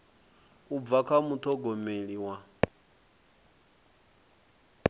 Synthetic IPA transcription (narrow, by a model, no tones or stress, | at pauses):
ub̪vakʰamut̪ʰɔɡɔmeɺiwa